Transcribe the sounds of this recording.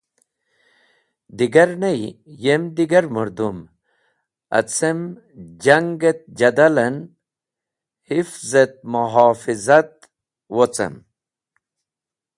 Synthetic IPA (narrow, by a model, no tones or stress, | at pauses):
d̪iɡɐɾnejjemd̪iɡɐɾmuɾd̪um | ɐ̰t͡sem | d͡ʑaŋɡet̪̚d͡ʑɐd̪alɐn | hifzet̪̚muɦaːfizat̪̚ | wot͡sɐ̰m